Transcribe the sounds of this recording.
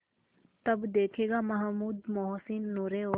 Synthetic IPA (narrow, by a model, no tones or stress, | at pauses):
t̪ɐbd̪eːkʰeːɡamɐɦmuːd̪mɔɦsɪnːuɾeoː